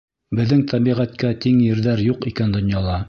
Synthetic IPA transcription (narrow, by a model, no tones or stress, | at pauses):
bɘ̆ðːɘŋt̪ʰæbiʁæt̪kæt̪iŋjɘ̆ɾðæɾjuqikænd̪ŏnjɑlˠɑ